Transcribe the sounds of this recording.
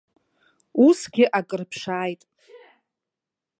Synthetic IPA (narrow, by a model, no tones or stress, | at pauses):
usɡʲɪʔakʼɨrpʰʂaːjtʼ